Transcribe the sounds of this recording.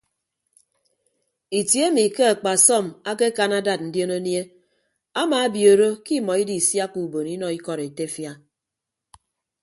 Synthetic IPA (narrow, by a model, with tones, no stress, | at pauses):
i˨tje˦mi˨ke˦a˨k͡pa˨sɔ˦˨ma˦ke˦ka˨na˦da˨t̚n̩˨djo˦no˦nje˦ | a˦ma˨a˦bjo˨ɾo˦ki˦mɔ˨i˦di˨sja˦ku˨bo˨ni˦nɔ˨i˦kɔ˨ɾe˨te˦fja˦